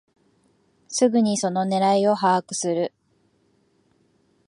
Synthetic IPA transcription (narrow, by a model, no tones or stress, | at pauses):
sɨɡɯ̟ɲ̟iso̞no̞ne̞ɾaio̞ɦaːkɯ̟̥sɨɾɯ̟